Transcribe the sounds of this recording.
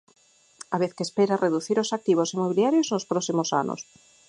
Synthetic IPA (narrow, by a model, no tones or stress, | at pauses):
aβeθkespeɾareðuθiɾosak̚t̪iβ̞osimoβ̞iljaɾjoznospɾɔsimosa̰no̰s